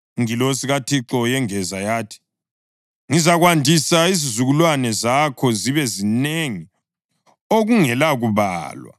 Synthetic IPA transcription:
ŋilosiɣatʰiǁɔjɛŋɛzajaːtʰi̥ | ŋizaɣwandʱisaizizuɣulwanɛzakʰɔziβɛzineŋi | oɣuŋɛlaɣuβa̰ːlwa̰

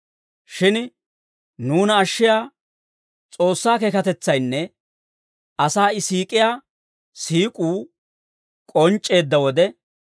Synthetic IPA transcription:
ʃɪn | nuːnɐːʃːɪjaː | t͡sʼo̞ːsːaːkekɐt̪ɛt͡sːɐjnːɛ | ʔɐsaːɪsiːkʼɪjaː | siːkʼuː | kʼɔnt͡ʃʼːe̞ːd̪ːɐwɔd̪ɛ

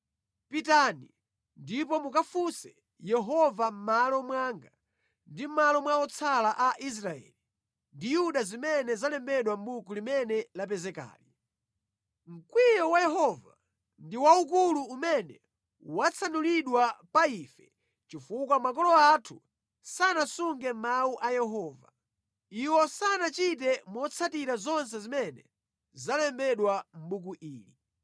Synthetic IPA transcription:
pitani | ndip̬ɔmukafusɛ | jɛɦɔvam̩malɔmwaːŋɡa | ndim̩malɔmwaɔt͡sʰalaʔaʔis̬ɾaɛ̰ːli | ndijuɗazimɛnɛzalɛmbɛɗwambukulimɛnɛlap̬ɛzɛka̰ːli | m̩kwijɔwajɛɦɔva̰ | ndiwaukuluumɛnɛ | wat͡sʰanuliɗwapaifɛ | t͡ʃifuk̬wamak̬ɔlɔatʰu | sanasuŋɡɛmmawuʔajɛɦɔːva̰ | iwɔsanat͡ʃit̬ɛmɔt͡sʰatiɾazɔns̬ɛzimɛnɛ | zalɛmbɛɗwam̩buk̬uʔiːli

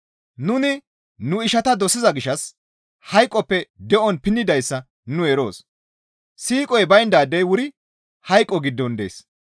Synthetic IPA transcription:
nʊnɪ | nʊɪʃɐt̪ɐd̪ɔsːɪzɐɡɪʃɐs | hɐjkʼːɔpːɛd̪ɛʔɔnpɪnːɪd̪ɐjsːɐ | nʊɛɾo̞̰ːs | siːkʼɔjbɐjnd̪aːd̪ːɛjwʊɾɪ | hɐjkʼːɔɡɪd̪ːɔnd̪ḛːs

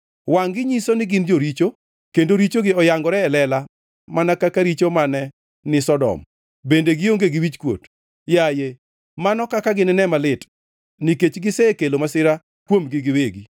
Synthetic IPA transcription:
waŋɡɪɲisonɪɡɪnd͡ʒoɾit͡ʃo | kendoɾit͡ʃoɡɪɔjaŋɡɔɾɛːlɛla | manakakaɾit͡ʃomanɛ | nɪsɔdɔ̰m | bendeɡɪoŋɡeɡiwit͡ʃkwo̰t | jaje | manɔkakaɡɪnɪnɛmalɪt | niket͡ʃɡɪsɛkelomasɪɾa | kwomɡɪɡɪweɡi

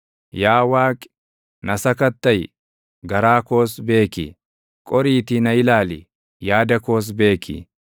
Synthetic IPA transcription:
jaːwaːkʼ | nɐsɐkɐt̪ːɐj | ɡɐɾaːko̞ːsbe̞ːkḭː | kʼɔɾiːt̪inɐɪlaːlḭ | jaːd̪ɐko̞ːs̬be̞ːkʰḭː

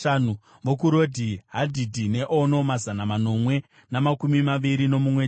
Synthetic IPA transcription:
aːnu | ʋokuɾo̞dʱiɦadʱidʱine̞ʔono̞mazanamano̞mwe̞ | namakumimaʋiɾino̞mumwe

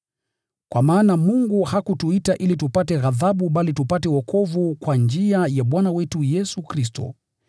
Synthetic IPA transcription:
kwamaːnamuŋɡuhakutuitaʔilitupatɛɣaðaɓuɓalitupatɛwɔkɔvukwand͡ʒiajaɓwanawɛtujɛsukɾis̬tɔ̰

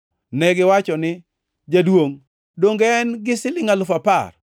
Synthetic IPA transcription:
nɛɡɪwat͡ʃɔnɪ | d͡ʒadwoŋ | doŋɡɛnɡɪsɪlɪŋalʊfapa̰r

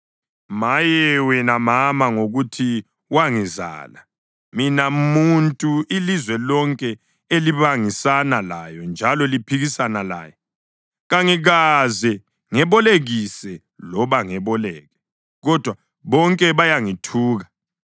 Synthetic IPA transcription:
majɛwɛnamamaŋoɣutʰi | waŋiza̰la | minamuntʼuilizwɛlɔŋkʼɛ | eliβaŋisanalajɔnd͡ʒʱalɔlipʰiɣisanala̰ːjɔ | ɣaŋiɣazɛ | ŋɛβɔleɣisɛ | lɔβaŋɛβɔlɛːɣɛ | ɣɔd̥ʱwa | βɔŋkʼɛβajaŋitʰuːɣa

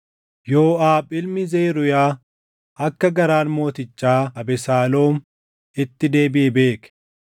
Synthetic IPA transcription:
jo̞ːaːbʼɪlmɪzeːɾʊjaː | ʔɐkːɐɡɐɾaːnmo̞ːt̪ɪt͡ʃːaːɐbɛsaːloːm | ɪt̪ːɪd̪e̞ːbɪʔɛbe̞ːkɛ̥

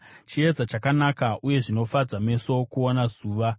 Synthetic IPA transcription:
t͡ʃied͡zat͡ʃakanakaʔuje̞ʐino̞fad͡zame̞so̞kuonazuːʋa

